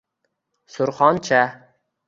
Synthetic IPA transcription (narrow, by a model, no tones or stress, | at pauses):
sʊɾχɒnt͡ʃʰa